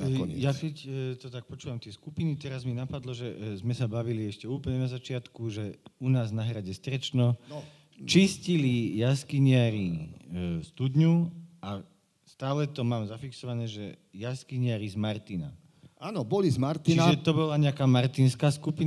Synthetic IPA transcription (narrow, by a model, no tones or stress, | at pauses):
jakɛct̪ɔt̪ak̚pɔt͡ʃuːʋamt̪ɪɛskupinit̪ɛɾazminapad̪lɔʒɛzmɛsabaʋiliɛʃcɛuːplɲɛnazat͡ʃɪat̪kuʒɛunaːznaɦɾaɟɛst̪ɾɛt͡ʃnɔ | t͡ʃiscilijaskiɲɪaɾi | st̪ud̪ɲua | st̪aːlɛt̪ɔmaːmzafiksɔʋanɛːʒɛjaskiɲɪaɾizmaɾt̪ina̰ | aːnɔbɔlizmaɾt̪iaʒɛt̪ɔbɔlaɲɛakaːmaɾt̪inskaːskupin